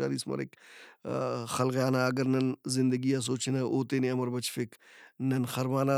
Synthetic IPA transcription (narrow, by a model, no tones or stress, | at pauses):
a̰ːɾḭːsmɐ̰ɾɪ̰k | xɐlɣjaːnaɐɡəɾnɐnzɪ̃nd̪əɡijas̬oːt͡ʃːnaʔoːt̪eːnẽɐməɾbɐt͡ʃfɪknɐnxɐɾmaːna